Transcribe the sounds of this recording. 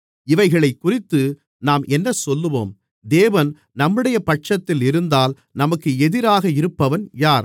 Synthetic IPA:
ɪʋɐɪɣɐɭɐɪkːʊrɪt̪ːɯ | naːmʔɛnːɐsɔlːɯʋo̰ːm | d̪eːʋɐn | nɐmːɯɽɐjɐpɐʈt͡ʃɐt̪ːɪlɪɾɯnd̪aːl | nɐmɐkːɯɛðɪɾaːɣɐɪɾɯpːɐʋɐnjaːɾ

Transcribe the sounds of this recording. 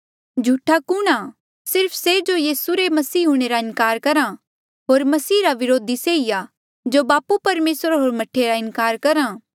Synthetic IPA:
d͡ʒʱuːʈʰakuːɽ̃a | sɪɾpʰsed͡ʒojiːsuɾemɐsiːɦũːɽ̃eɾaɪ̃nkaːɾkɐɾã | ɦoːɾmɐsiːɾaʋɪɾoːd̪ʱiseːija | d͡ʒobaːpupɐɾmeːsɾɦoːɾmɐʈʰːeɾaɪnkaːɾkɐɾãː

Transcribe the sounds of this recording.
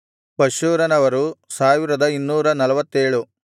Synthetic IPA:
pɐʃuːɾɐnɐʋɐɾusaːʋiɾɐd̪ɐinːuːɾɐnɐlɐʋɐt̪ːeːɭu

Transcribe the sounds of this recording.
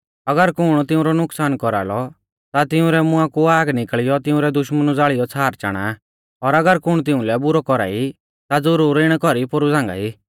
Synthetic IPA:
ɐɡəɾkʊɽ̃t̪ɪũɾɔnʊksaːnkɔɾa̰ːlɔ | t̪at̪ɪʊ̃ɾɛmʊãkuaːɡnɪkɭɪjɔt̪ɪʊ̃ɾɛd̪ʊʃmənud͡zaːɭɪjɔt͡sʰaːɾt͡ʃa̰ːɽ̃a̰ | ɔɾɐɡəɾkʊɽ̃t̪̬ɪʊ̃lɛbʊɾɔkɔɾa̰ːi | t̪ad͡zʊɾuːɾɪɽ̃kɔɾipʊɾud͡zãːŋɡa̰iː

